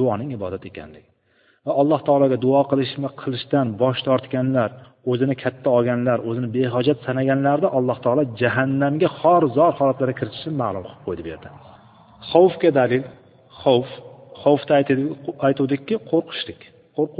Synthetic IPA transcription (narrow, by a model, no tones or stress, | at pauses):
d̪̥ʊɒnɪŋɪbɒ̰d̪at̪e̞kʲa̰nlɪɡʲɪ | vaɒlˠːɑht̪ʰɒːlˠɒɡʲad̪ʊɑqɨlˠɪʃmɪqʰɨlˠɪʃt̪anbɒʃt̪ʰɒɾt̪kʲanlaɾ | ɵzɪnɪkʲʰat̪ʰːaɒɡʲanlaɾɵzɪnɪbeɦɒd͡ʒat̪sanaɡʲanlaɾɪd̪aʔɒlˠːɑht̪ʰɒːlˠɒd͡ʒaɦanːamɡʲahɒɾzɒɾhɒlat̪laɾakʲʰɪɾɪt̪ʰɪ̥ʃɪnɪmaːlˠʊmqʰɨlˠɨ̥p̚qʰojd̪ɪbeɾd̪ɪ | χowfɡʲad̪alɪl | χowfχowft̪aajt̪ud̪ɪkʲʰːɪqʰoɾqʰɨ̥ʃlɪkʲ | qʰoɾq